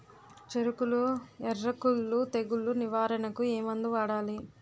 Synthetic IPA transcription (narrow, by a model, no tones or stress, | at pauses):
t͡ʃeɾukuluɛrːɐkulːut̪eɡuluniʋaːɾɐnɐkueːmɐnd̪uʋaːɽaːli